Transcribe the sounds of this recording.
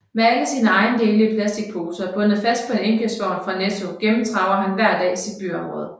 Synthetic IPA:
meæləsiːnəɑ̈ɪn̩d̥e̝ːləipʰlæsd̥iɡ̥̚pʰo̝ːsəb̥ɔ̽nð̩ˠfæsd̥̚pʰɒ̽e̝neŋɡ̥l̩sʋ̥ɒ̰ːnfʁɑ̈net͡sʰo̝ɡ̥emm̩t͡sʰʁɑ̈ʊɐɦænʋæɐ̰d̥ɛ̰ːisid̥̚b̥y̰ːɒ̽mʁɔ̽ːð̞̩ˠ

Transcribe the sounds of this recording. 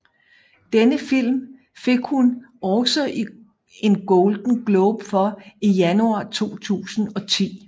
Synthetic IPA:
d̥enəfil̰m | fe̝ɡ̥hunɒʊsɒ̽ʔi | e̝nɡ̥ɔʊld̥n̩ɡ̥lɔːb̥fɒ̽ijænuɑ̰̈ːt͡sʰo̝̰ːt͡sʰṵːsn̩ɒ̽t͡sʰḭː

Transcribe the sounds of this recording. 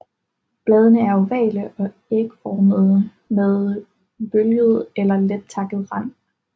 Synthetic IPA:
b̥lɛːð̞ˠənəæɐoʋɛ̰ːləʔɒ̽ | e̝ɡ̥əfɒːməð̩ˠ | meðˠ | b̥øljəð̞̩ˠelɐled̥̚t͡sʰɑ̈ɡ̥ð̞̩ˠʁɑn̰

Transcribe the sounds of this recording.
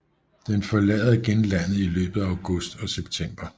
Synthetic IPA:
d̥enfɒ̽lɛ̰ːð̩ˠɡ̥enlæn̰ð̩ˠilø̰ːb̥ð̩ˠæaʊɡ̥ɔ̽sd̥ɒ̽seb̥̚t͡sʰem̰b̥ɐ

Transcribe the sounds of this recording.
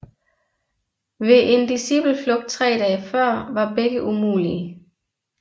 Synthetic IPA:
ʋe̝ʔe̝nd̥isib̥l̩flɔ̽ɡ̥̚d̥̚t͡sʰʁɛ̰ːdɛːfɶɐ̰ʋɑ̈b̥eɡ̥əʔumṵːliə

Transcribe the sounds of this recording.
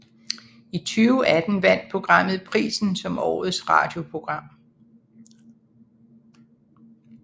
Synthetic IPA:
it͡sʰyːʊæd̥n̩ʋæn̰d̥̚pʰo̝ɡ̥ʁɑ̈m̰ð̩ˠpʰʁḭːsn̩sɒ̽mɒ̰ːð̩ˠsʁɑ̰̈ːd̥jo̝pʰʁo̝ɡ̥ʁɑ̈m̰

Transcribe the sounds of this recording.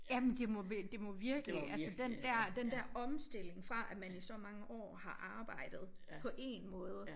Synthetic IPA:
jæmend̥e̝mɔʋd̥e̝mɔ̽ʋiɐɡ̥əliʔælsəd̥end̥æɐ̰d̥end̥æɐɒ̽msd̥e̝l̰e̝ŋfʁɑ̈ʔæmænisɒ̽mɑ̈ŋəʔɒ̰ːhɑ̈ʔɑ̈ːb̥ɑ̈ɪ̰d̥ð̞̩ˠ | pʰɒ̽ʔe̝nmɔ̽ːð̞ˠə

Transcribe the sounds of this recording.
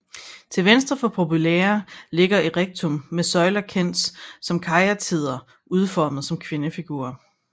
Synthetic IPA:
t͡sʰe̝lʋensd̥ʁɐfɒ̽pʰo̝puleːɐle̝ɡ̥ɐiʁeɡ̥̚t͡sʰomːesɒ̽ɪlɐkʰen̰̥ssɒ̽mkʰɑ̈ɪɐt͡sʰið̞̰ˠɐ | uð̞ˠfɒːməð̞̩ˠsɒ̽mkʰʋe̝nəfiɡ̥ṵːɐ

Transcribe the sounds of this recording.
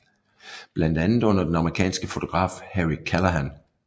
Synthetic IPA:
b̥læn̰d̥ænð̩ˠɔ̽n̰ɐd̥enɑ̈məʁikʰɛ̰ːnsɡ̥əfo̝t͡sʰo̝ɡ̥ʁɑ̰̈ːfheʁikʰælɐɦæn

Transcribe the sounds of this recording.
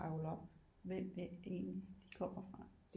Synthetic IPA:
ɑ̈ʊlɒ̽b̥ | ʋem̰æe̝̰ːnlid̥ikʰɒ̽m̰ɐfʁɑ̥̈

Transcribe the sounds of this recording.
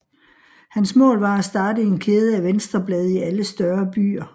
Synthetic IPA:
hænsmɔ̰̽ːlʋɑ̈æsd̥ɑ̈ːd̥əe̝nkʰeːð̞ˠəæʋensd̥ʁɐb̥lɛːð̞ˠiæləsd̥ɶɐb̥y̰ːɐ

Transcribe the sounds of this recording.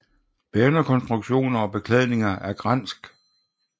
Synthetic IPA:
b̥ænɐkʰɒ̽nsd̥ʁuɡ̥ɕo̝̰ːnɐɒ̽b̥e̝kʰlɛð̞ˠne̝ŋɐʔæɐɡ̥ʁan̰sɡ̥

